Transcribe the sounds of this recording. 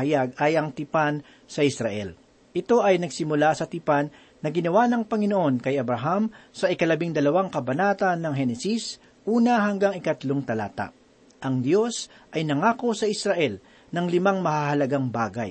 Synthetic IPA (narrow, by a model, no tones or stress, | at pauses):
ɐjaɡ̚ɐjʔɐŋt̪ɪpan | sɐʔɪsɾɐʔɛ̰l | ʔɪt̪o̞ʔɐjnɐɡsɪmʊlasɐt̪ɪpanː | ɐɡɪnɐwanɐŋpɐŋɪnoʔo̞nkɐjʔɐbɾɐɦamsɐʔɪkɐlɐbɪŋd̪ɐlɐwaŋkɐbɐnaːt̪ɐnːɐŋɦɛnɛsis | ʔuːnɐɦɐŋɡaŋɪkɐt̪loŋt̪ɐla̰ːt̪a̰ʔ | ʔɐŋd̪jo̞s | ʔɐjnɐŋaːko̞sɐʔɪsɾɐʔɛl | nɐŋlɪmaŋmɐhahɐlɐɡaŋbaːɡa̰j